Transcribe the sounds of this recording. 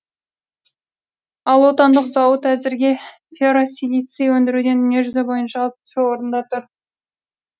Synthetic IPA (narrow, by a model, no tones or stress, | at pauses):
ɑlˠwo̞t̪ɑnd̪əqzɑwət̪æzɪɾɡʲe̞ | fʲeɾosʲilit̪sɨjwɵnd̪ɪɾud̪e̞nneʒʏzebo̞jənʃɑlˠp̪ʃewo̞ɾənd̪ɑt̪ʰʊɾ